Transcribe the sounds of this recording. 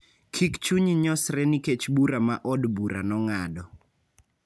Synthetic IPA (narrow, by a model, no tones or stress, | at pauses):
kʰikt͡ʃuɲiɲɔsɾɛniket͡ʃbuɾama̰ʔɔdbuɾa̰nɔŋadɔ